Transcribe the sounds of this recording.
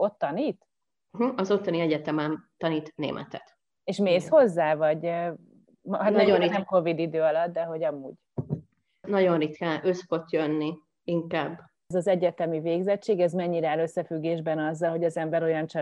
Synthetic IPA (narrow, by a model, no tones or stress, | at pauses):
o̞t̪ːɒniːt̪̩ | ɦ̩ɒzo̞t̪ːɒniɛɟɛt̪ɛmɛnt̪ɒniːt̪nḛːmʔɛ̰t̪ɛt̪ | eʃmeːsho̞zːaːvɒɟ | mhanɛoɾinɛmko̞vid̪id̪øːɒlɒt̪̚d̪ɛɦo̞ɟɒmuːɟ | nɒɟo̞nrit̪kaøsfo̞t̪jønːi | iŋkaːb | zɒzɛɟɛt̪ɛmiveːɡzɛt͡ʃːeːɡɛzmɛɲːiɾaːløsːɛfyɡːeːʒbɛnɒzːɒlɦo̞ɟɒzɛmbɛɾo̞jɒnt͡ʃɛ